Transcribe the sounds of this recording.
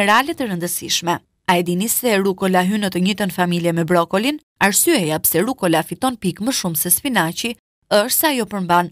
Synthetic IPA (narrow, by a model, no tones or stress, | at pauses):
ɛɾalɛt̪əɾənd̪əsiʃmɛ | ajd̪inisɛɾukɔlaɦynət̪əɲit̪ənfamiljɛmɛbɾɔkɔlin | aɾsyɛjapsɛɾukɔlafit̪ɔnpikməʃumsɛspinat͡ɕi | əʃsɛajɔpəɾmban